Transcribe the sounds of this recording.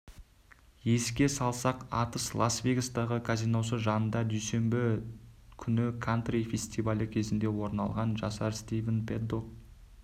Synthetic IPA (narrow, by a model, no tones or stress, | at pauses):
je̞skʲe̞sɑlˠsɑqɑt̪əslˠasvʲeɡast̪ɑʁəkʰazijnowsəʒɑnənd̪ɑd̪ɵjse̞mbɪ | kʲʰʏnɪkʰant̪rifʲe̞sʲt̪ʲivalʲəkʲʰe̞zɪnd̪e̞wo̞ɾnɑlˠʁɑnʒɑ̰sɑɾst̪ijvʲenpʰed̪ok̚